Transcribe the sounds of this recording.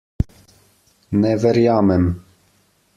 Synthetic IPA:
nɛvɛɾijɑːmɛm

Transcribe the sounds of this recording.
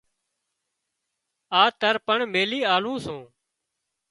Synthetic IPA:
aːt̪əɾpəɳmeːliːaːlũːsõː

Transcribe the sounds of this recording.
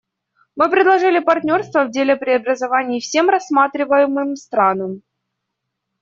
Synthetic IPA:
mɨpɾʲɪd̪lˠɐʐɨlʲɪpɐrt̪ʲnʲo̞rst̪vəvdʲelʲɪpɾʲɪɐbɾəzɐvanʲɪːfsʲe̞mrɐsːmat̪ɾʲɪvəjɪmɨmst̪ɾanəm

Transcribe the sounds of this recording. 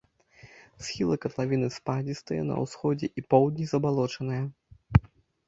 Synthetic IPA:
sxʲilˠɐkɐt̪lˠavʲinɨspad͡zʲist̪ɐjɛ̰nɐ̰wsxɔd͡zʲɛʔipɔwd̪ʲnʲizɐbalˠɔt͡ʂɐnɐjɐ

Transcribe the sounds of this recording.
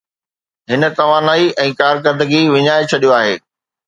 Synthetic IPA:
ɦɪnə̆t̪ɐʋ̤ãːnaːiʔɛ̃ːkaːɾk̬ɐɾd̪əɡiʋɪɲaːet͡ɕʰɐɗijoaːɦḛː

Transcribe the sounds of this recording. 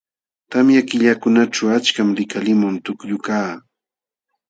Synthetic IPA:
t̪amjakɪʎakʊnaʈ͡ʂawat͡ʃkamɾɪkalɪmʊnt̪ʊkjʊkaː

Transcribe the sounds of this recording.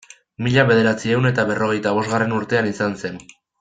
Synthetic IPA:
miʎaβe̞ð̞e̞ɾat͡sie̞wne̞t̪aβe̞ro̞ɣ̞e̞jt̪aβ̞o̞zɣare̞nuɾt̪e̞anisanse̞n

